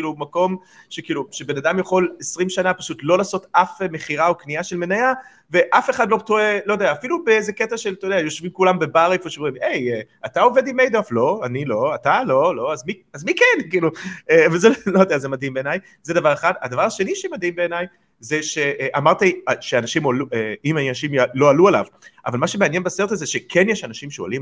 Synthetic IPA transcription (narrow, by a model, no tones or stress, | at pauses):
ilumako̞m | ʃekiːluʃebe̞nad̪amjaχo̞lesʁimʃanapaʃut̪lo̞laːso̞tafme̞χiʁaokniaʃe̞lme̞naja | ve̞ʔafe̞χadlo̞t̪oe̞lojdeaːfilubeezeketaʃelt̪ojd̪eajo̞ʃvimkulambe̞baʁefjoʃimʁime̞je | at̪ao̞ve̞d̪imejd̪oaflo̞anilo̞at̪alo̞lo̞azmiazmikenkiːluevezelojod̪eazemadɦimbeenaj | zed̪avaʁeχad̪a̰d̪avaʁaʃeniʃemad̪himbe̞ːnaj | zeʃe̞ʔʔamaʁt̪iʃeanaʃimolueimajnaʃimlo̞aluala̰vʔa̰valmaʃe̞meanje̞nbaseʁt̪azeʃekʰenjeʃanaʃimʃeo̰lim